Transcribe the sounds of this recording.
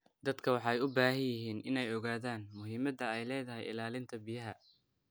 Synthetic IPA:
d̪ɐd̪kʰɐwɑħɑɛjʊbaːɦɐjjɪɦiːnʔɪnɛjɔɣaːðaːnmʊɦiːmɐd̪ɐɛjlɛːðɐɦɛ̰jɪ̰laːlɪnt̪ʰɐbɪjɐɦɐ

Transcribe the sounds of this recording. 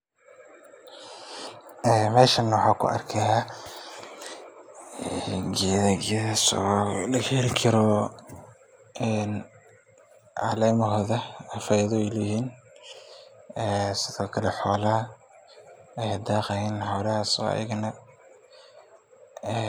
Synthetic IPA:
ɛːmɛːʃɐnːɐwɑħaːkʰʊ̰ɐ̰rkʰɐha | ɡiɐðɐɡiðɐsɔ̰ːlɐɣɾɪkʰɐɾɔ | ɛːn | ʕɑ̰lɛːmɐɦɔːðɐɐfajðɔjlɪhiːn | ɛːsɪðɔːkʰɐlɛħɔːlɐɐ | ɛjd̪aːqɐhɛnħɔːlɐhasɔ̰ːɐ̰jɐ̰ɣɐnɐ

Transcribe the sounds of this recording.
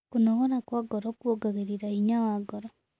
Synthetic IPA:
kunɔɣɔɾakwaɡɔɾɔkwoɡaɣeɾiɾaiɲawaɡɔɾɔ

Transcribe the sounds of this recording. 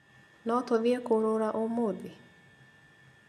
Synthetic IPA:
nɔtoðiekoɾoɾaʔomoði

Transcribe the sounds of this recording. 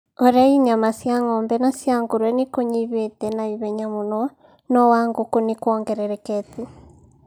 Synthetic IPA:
oɾaiɲamasjaŋɔmbɛnasjaŋɡoɾwɛnekoɲiβetɛnaiβɛɲamunɔ | nɔwaŋɡokonekwɔŋɡɛɾɛɾɛkɛte

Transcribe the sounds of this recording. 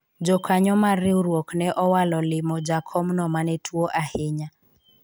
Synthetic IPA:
d͡ʒɔkʰaɲɔmaɾɪuɾwɔknɛʔɔwalɔlɪmɔd͡ʒakʰɔmnɔmanɛtʰuɔʔahɪɲa

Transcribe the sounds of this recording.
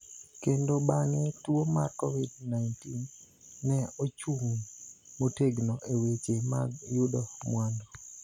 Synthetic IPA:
kendobaŋɛtuomarkɔvidnajntinː | ɛot͡ʃuŋmoteɡnɔʔewet͡ʃemaɡjʊdɔmwandɔ

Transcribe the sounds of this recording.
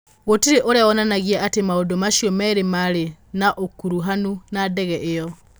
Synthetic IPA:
ɣotiɾeʔoɾeawɔnanaɣiaʔatemaodomaʃiɔmɛɾemaɾenaʔokuɾuɦanunadɛɣɛʔɪjɔ

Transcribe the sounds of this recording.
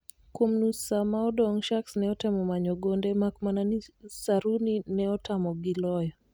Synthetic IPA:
kwomnusamaɔdɔŋʃaksnɛɔtɛmɔmaɲɔɡondemakmananisaɾuninɛɔtamɔɡilɔjɔ

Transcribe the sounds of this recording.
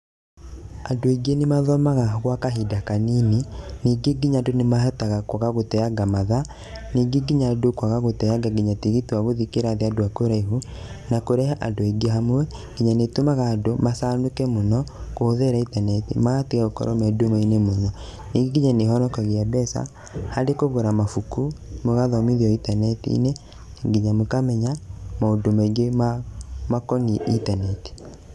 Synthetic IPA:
adoeɡenemaðɔmaɣaɣwakaɦidakanininiːɡeɡiɲadonemahɛtaɣakwaɣaɣotɛaɡamaða | niːɡeɡiɲadokwaɣaɣotɛjaɡaɡiɲatiɣitwaɣoðikeɾaðeadoakoɾaiɦu | nakoɾɛɦaʔandoeɡeɦamwɛ | ɡ̥iɲanetomaɣaːdomasanokɛmonɔkoðɛɾaitanɛtḭmateɣaokɔ̰ɾɔmɛdomainemonɔ | niɡeɡiɲaneɦɔnɔkaɣeabɛsa̰ | hadekoɣoɾamafukumoɣaðɔmiðiɔitanɛtḭḭne | ŋɡiɲamokamɛɲamaodomaiɡemamakɔŋiʔitanɛti̥

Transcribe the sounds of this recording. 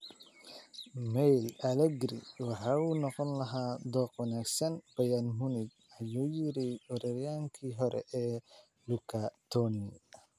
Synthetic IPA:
mɛjlɐlɛɡɾḭwɑħɑːuːnɔqɔnlɐɦaːd̪ɔːqwɐnaːɡsɐnb̥ɐjanmʊnɪɡ | ɐjuːjɪɾɪɔɾɛɾjaːŋkʰiːɦɔɾʔɛ̰ʔɛː | lukʰat̪ʰɔni

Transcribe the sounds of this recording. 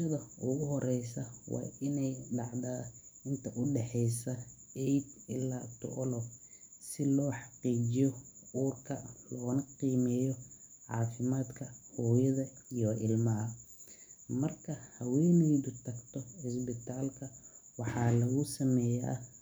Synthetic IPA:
ɐðɐʊɣʊɦɔɾɛjsɐwɑ̰ːʔɪnɛjɖɑʕðaːɪnt̪ʰɐʔʊɖɛħɛjsɐɛjd̪ɪlːaːt̪ʰʊ̰ʔɔlɔsɪlɔːħɑqiːt͡ʃd͡ʒɪjɔuːrkʰɐlɔːnɐqiːmɛːjɔ | ʕɑ̰ːfɪmaːd̪kʰɐhɔːjɐðɐijɔʔɪlmɐɦɐ | mɐrkʰɐhɐwɛːnɛjðʊt̪ʰɐɡt̪ʰɔɪsbɪt̪ʰaːlkʰɐwɑħɑːlɐɣʊsɐmɛːjɛ̰

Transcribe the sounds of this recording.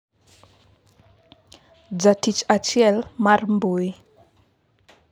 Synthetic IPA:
d͡zatit͡ʃat͡ʃiɛlmarmbui

